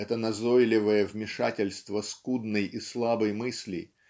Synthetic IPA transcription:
ɛt̪ənɐzojlʲɪvəjəvmʲɪʂa̰tʲɪlʲst̪vəskud̪nɨjislˠabəjmɨsʲlʲɪ̰

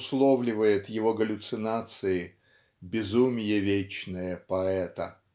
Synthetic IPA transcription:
slˠovlʲɪvəjɪt̪jɪvo̞ɡəlʲʊt̪sɨnat̪sɨɪ | bʲɪzumʲɪjəvʲet͡ɕnəjəpɐɛt̪ə

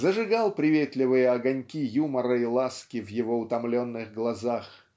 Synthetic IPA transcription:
zəʐɨɡalˠpɾʲɪvʲet̪lʲɪvɨjəɐɡɐnʲkʲijuməɾəɪlˠaskʲɪvjɪvo̞ʊt̪ɐmlʲonːɨɣɡlˠɐzax

